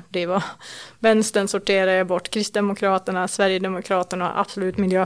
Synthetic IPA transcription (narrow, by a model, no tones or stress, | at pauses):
d̪ɛvavɛnst̪ənsʊʈʰeːɾaabɔʈːkʰɾɪst̪̚d̪ɛmʊkʰɾɑːt̪əɳasvæɾjəd̪ɛmʊkʰɾɑːt̪əɳa̰ʔa̰b̥sɔlʉ̟ːt̪mɪljøː